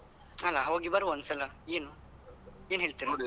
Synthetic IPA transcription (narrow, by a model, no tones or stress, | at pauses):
ɐlːaɦoːɡibɐɾuɔnd̪sɐlɐeːnu | eːnɦeːɭt̪iɾi